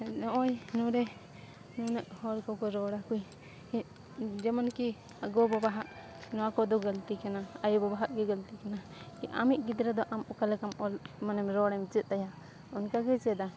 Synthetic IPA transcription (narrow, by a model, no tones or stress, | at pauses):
nɔʔɔjnɔɾɛ | nunaʔhɔɾkɔkɔɾɔɽakuj | d͡ʒɛmanki | aɡɔbɔbaɦaʔ | nɔakɔd̪ɔɡalt̪ikanaajubɔbaɦaʔɡɛɡəlt̪ikanakiʔa̰miʔ̪̚ɡid̪ɾad̪ɔʔamukalɛkamɔlmanɛmɾɔɽɛmt͡ʃət̪̚aja | unkaɡɛt͡ʃɛd̪a